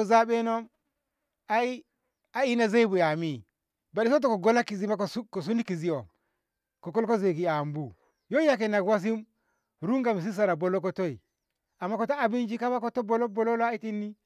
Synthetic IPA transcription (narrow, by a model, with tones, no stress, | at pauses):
o˦za˦ɓe˦no˦m | a˦i˦ | a˨i˦na˦ze˦i˦bu˨ja˨mi˦˨ | ba˨i˨s̬o˦t̬o˦ko˨ɡo˦la˦ki˨zi˦ma˦kko˨s̬u˦ni˦ki˨zi˦o˨m | ko˨ko˦lko˦ze˨ki˨a˨mbu˨ | jo˦ja˦k̬e˨na˨kwa˦s̬i˦m | ɾu˦ŋɡa˨mi˨s̬i˦s̬a˨ɾa˨bo˨lo˦k̬o˦to˦i˨ | a˨mːa˦ko˨to˦a˨bi˦nd͡ʒi˦ka˦ma˦ko˦to˦bo˨lo˦bo˨lo˦lo˦a˦i˦ti˦nːi˦